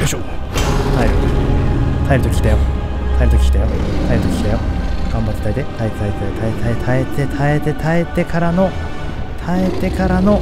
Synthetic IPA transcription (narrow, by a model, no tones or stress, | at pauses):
d̪eɕo | t̪ʰaeɾɯt̪ot̪ʰaeɾɯ̟t̪okʲi̥t̪ejo | t̪ʰaeɾt̪okʲi̥t̪ejot̪ʰaeɾɯ̟t̪okʲi̥t̪ejoɡ̥ãmbat͡ɕ̪ːe̥t̪aid̪e̞t̪ʰaet̪et̪ait̪et̪ʰaet̪ʰaet̪ʰaet̪e̞t̪ʰaet̪e̞t̪ʰaet̪e̞kaɾano̞ | t̪ʰae̞t̪e̞kaɾano̞